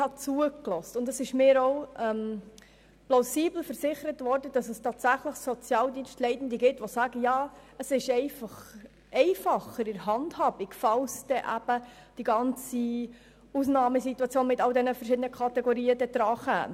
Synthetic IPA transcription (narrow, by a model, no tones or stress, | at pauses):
hɑt͡suəklɔstʊndəsɪʃmɪːɾɔʊɛm | plaʊsiːbl̩fəɾsɪχəɾətvɔɾdəd̥ɑsəstɑːtsæχləχsɔt͡sjɑːldiːnstlɛɪtn̩d̪əɡɪtːʋɔsæːɡəjɑːəsɪʃɛɪfɑχ | ʔɛɪfɑχəɾɪɾɦɑndhɑb̥iɡfɑlsd̥ɛʔæb̥ə | d̥iɡɑnt͡si | usnɑːməsituɑt͡sjoːnmɪtɑld̪ɛnəfəɾrʃɪdənəkʰɑt̪ɛɡoɾiːədɛd̥̪ɾɑːχæ̰ː